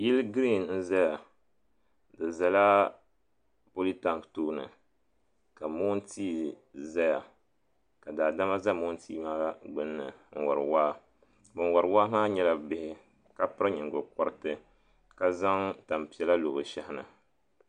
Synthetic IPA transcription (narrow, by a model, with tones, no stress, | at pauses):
ji˦lɡɾi˦˨nn̩˦za˦ja˨ | dɨ˨za˨la˦ | po˦li˦ta˨ŋktoː˦nɨ̰˨ | ka˨mo˦n̩˦tʰiː˦ | za˦ja˨ | ka˨daː˨da˦ma˦za˦mo˦n̩˦tiː˦maː˦ɡ͡bɨ˦nːɨ˨ŋ̩˦˨wɔ˨ɾɨ̰˨waː˦ | bɨ˨n˦wɔ˨ɾwaː˦maː˦ɲɛ˦la˦˨bɪ˦hɪ˦ | ka˦pɨ˦ɾɨ˦ɲɨ˨ŋ˨ɡʊ˨kɔ˦ɾtɨ˦ | ka˦za˦ŋta˨m˨pi˨ɛ˦la˦lo˨bɨ˨ʃɛ˦hɪ˦nɨ̰˨